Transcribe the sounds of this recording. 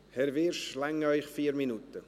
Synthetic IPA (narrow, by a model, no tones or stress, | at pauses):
hɛɾvɪɾʃlɛŋːəœʏχfiːɾminut̪ə